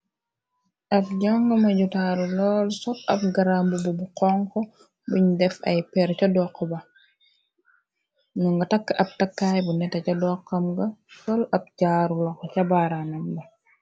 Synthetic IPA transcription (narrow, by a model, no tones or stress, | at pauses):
ʔɐb̚ɟaŋɡɐmɐɟutaːɾulɔːlsɔtɐ̰p̚ɡaɾambububuqɔŋkɔ | buɲdɛfɐ̰jpɛɾcɐdɔːqːɔbɐ | nuŋɡɐtɐkːʔɐp̚tɐkːaːjbunɛtɐcɐdɔːqːɐmɡɐsɔlɐp̚ɟaːɾulɔkɔcɐbaɾanɐmbɐ